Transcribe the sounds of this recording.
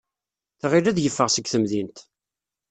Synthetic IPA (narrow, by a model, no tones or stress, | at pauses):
θʁiɾæðjəfːəʁsəɡθəmðint̪